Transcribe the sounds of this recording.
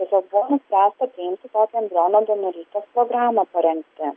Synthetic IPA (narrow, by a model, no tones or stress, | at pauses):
ɛsʲɔːk̚buʋɐnʊsʲpʲɾʲæːst̪ɐpʲɾʲɪjɪmt̪ʲɪt̪ɔːt̪ʲɛnd̪ɾoːnɐd̪ɐnʊɾʲiːt̪ʲɛspɾoɡɾaːmɐpɐɾʲɛŋk̚t̪ɪ